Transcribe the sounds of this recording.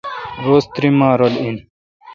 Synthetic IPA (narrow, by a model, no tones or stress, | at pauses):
ɾoːst̪ɾimaːɾolin